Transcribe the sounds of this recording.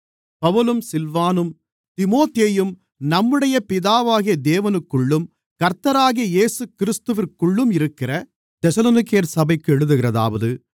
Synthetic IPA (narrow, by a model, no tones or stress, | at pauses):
pɐʋɯlɯmsɪlʋaːnɯm | t̪ɪmoːt̪eːjɯm | nɐmːɯɽɐjɐpɪðaːʋaːɣijɐd̪eːʋɐnɯkːɯɭːɯm | kɐɾt̪ːɐɾaːɣijɐjeːsɯkɪɾɪst̪ɯʋɪɾkːɯɭːɯmɪɾɯkːɪrɐ | t̪ɛsɐloːnɪkːɐjɐɾsɐbɐɪkːɯɛɻɯðɯɣɪrɐða̰ːʋɐðɯ